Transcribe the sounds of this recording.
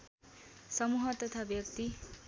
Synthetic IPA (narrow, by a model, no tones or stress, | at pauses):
sʌmuɦʌt̪ʌt̪ʰabjʌk̚t̪i